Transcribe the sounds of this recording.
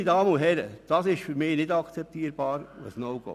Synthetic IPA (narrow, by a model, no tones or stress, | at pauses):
idɑːmənʊɦɛɾəd̥ɑsɪʃfyɾmɪnɪdɑkt͡sɛp̚t̪iːəɾb̥ɑːɾwə̰snoɡ̥o̰